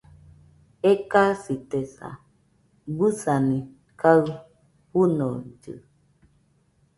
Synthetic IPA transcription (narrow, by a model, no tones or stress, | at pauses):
ekasit̪esa̰ | busanĩ | kaɰ | hunod͡ʒɨ̰